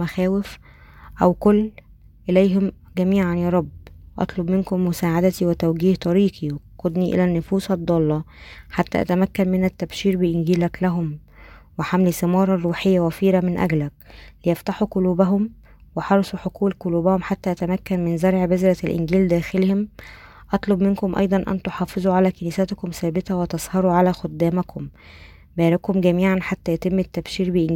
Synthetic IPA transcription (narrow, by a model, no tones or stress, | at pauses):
mæxæːwɪf | ʔæwkolː | ʔelæjɦom | ɡæmiːʕanjæːɾˤɑbwʔɑ̰t̪ˤlobmenkomːʊsaːʕad̪æt̪iwet̪æwɡiːht̪ˤɑɾiːqʰiwexqod̪niʔḛlænːofuːsɑd̪ˤːɑlːɑħat̪ːæ̰ʔæ̰t̪æmækːænmɪnæt̪ːæbʃiːɾbeʔɪnɡiːlæklæɦom | weħamlisemɑːɾˤɑrˤːuːħejːæwæfiːɾæmɪnʔæ̰ɡlæk̚lɪjæft̪aħuqoluːbæɦom | weħɑɾˤsˤuħokuːlqoluːbæhomħat̪ːæʔæt̪æmækːænmɪnzɑɾˤʕbezɾˤælʔɪ̰nɡiːld̪æːxelhem | ʔɑt̪ˤlobmenkomʔɑ̰jd̪ˤɑnʔæ̰nt̪oħɑːfezˤuʕalæːkeniːsæt̪kʊmsæːbɪt̪æwet̪ɑzˤhɑɾˤuʕalæxod̪ːæːmækʰom | bæːɾækhomɡæmiːʕanħat̪ːæjæt̪emːɪt̪ːæbʃiːɾbeʔn